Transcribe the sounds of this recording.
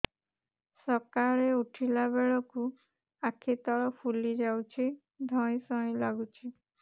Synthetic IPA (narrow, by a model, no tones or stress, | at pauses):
sɔkaɭeuʈʰilaβeɭɔku | akʰit̪ɔɭɔpʰulid͡ʒawt͡ʃʰi | d̪ʱɔ̃j̃sɔ̃j̃laɡut͡ʃʰi